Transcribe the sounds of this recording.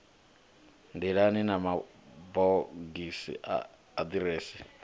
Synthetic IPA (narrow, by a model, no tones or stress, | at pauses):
nd̪iɺaninama | bɔɡisḭa̰ː | d̪iɾeːsi